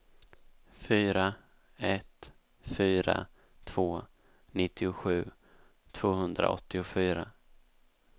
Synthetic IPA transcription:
fyːɾa | ɛt̪ | fyːɾa̰ | t̪ʰv̥oː | nɪt̪ːɪʊɧʉ̟ː | t̪ʰv̥oːhɵnd̪ɾa̰ɔ̰t̪ʰːɪʊfyːɾa

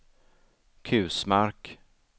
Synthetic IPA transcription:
kʰʉ̟ːsmaɾk

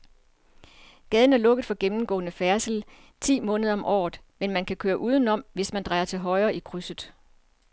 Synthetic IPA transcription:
ɡ̥ɛːð̞ˠn̩æɐlɔ̽ɡ̥ð̩ˠfɒ̽ɡ̥emm̩ɡ̥ɔ̰̽ːnəfæɐsl̩ | t͡sʰḭːmɔ̽ːnð̞ˠɒ̽mʔɒ̰ːð̩ˠmenmænkʰækʰøːɐʔuːð̞ˠn̩ɒ̽m̰ʋe̝smænd̥ʁɑ̈ɪɐt͡sʰe̝lɦɒ̽ɪɐːikʰʁysəð̩ˠ

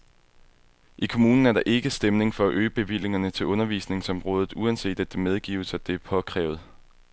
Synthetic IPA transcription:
ʔikʰo̝muːnn̩æɐɾ̥ɑ̈ʔe̝ɡ̥əsd̥emne̝ŋfɒ̽æʔøːb̥e̝ʋile̝ŋɐnət͡sʰe̝lʔɔ̽nɐʋḭːsne̝ŋsɒ̽mʁɔ̽ːð̞ˠð̩ˠuænse̝̰ːd̥æd̥emeð̞ˠɡ̥ḭːʊəsæd̥e̝æpʰɒ̽kʰʁɛ̰ːʊð̞̩ˠ

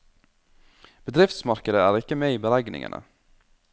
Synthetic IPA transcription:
b̥əd̪ɾɪft̪smɑɾkəd̪əæːɾɪkəmeːiːbəlæɡnɪ̰ŋə̰nə̰

